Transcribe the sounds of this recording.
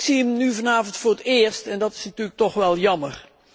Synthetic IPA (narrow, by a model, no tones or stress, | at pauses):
siəmnyvɑnaːvəntfʊːɹətɪəɹstɛndɑtɪ̥snətyːlək̚tɔχʋɛlˠjɑməɹ